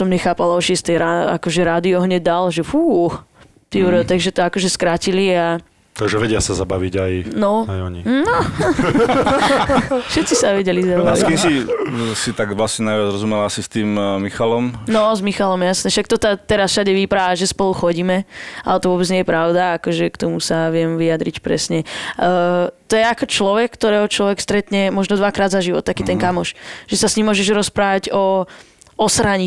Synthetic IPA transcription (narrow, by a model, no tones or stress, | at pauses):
sɔmɲɛxaːpalaɔʃɛst̪ɛjɾaa̰kɔʒɛɾaːd̪iɔɦɲɛɟ̚d̪alʒɛfuːx | t̪iɾt̪aɡʒɛt̪ɔakɔʒɛskɾacilia | t̪aʒɛʋɛɟɪasazabaʋiɟajnɔajɔ̰ɲḭnɔ | fʃɛt̪t͡sisaʋɛɟɛlizabaaʋiskimsisit̪aɡʋlasɲɛnajʋad͡zɾɔzumɛlasist̪iːmmixalɔmnɔzmixalɔmjjasnɛʃak̚t̪ɔt̪at̪ɛɾasʃaɟɛʋipɾaaʒɛspɔluxɔɟiːmɛa̰lɛt̪ɔʋʊɔbɛd͡zɲɪɛjɛpɾaʊd̪aakɔʒɛkt̪ɔmusaʋɪɛmʋiad̪ɾicpɾɛ̰sɲɛ | t̪ɔjɛakɔt͡ʃlɔʋɛkkːt̪ɔɾɛːɦɔt͡ʃlɔʋɛkst̪ɾɛt̪ɲɛmɔʒnɔd̪ʋakɾaːd̪zaʒiʋɔ̰t̪̚ːakiːt̪ɛnkamɔʃʒ̥ɛsasɲimːʊɔʒɛʒɾɔspɾaːʋaɟɔ | ɔsɾaɲi